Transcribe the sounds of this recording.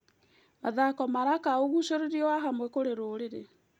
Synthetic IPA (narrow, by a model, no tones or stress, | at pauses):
maðakɔmaɾakaoɣuʃoɾeɾiɔwaɦamwɛkoɾeɾoːɾeɾe